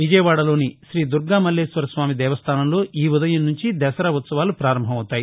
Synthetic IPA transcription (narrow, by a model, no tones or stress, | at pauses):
ʋid͡ʒɐjɐʋaːɽɐlo̞ːniʃɾiːd̪uɾɡaːmɐlːeːsʋɐɾɐsʋaːmid̪ɛːʋɐst̪ʰaːnɐmlo̞ːʔiːud̪ɐjɐmnuɲt͡ʃid̪ɛsɐɾɐʋut̪sɐʋaːlupɾaːɾɐmbʱɐmɐwt̪ːaːji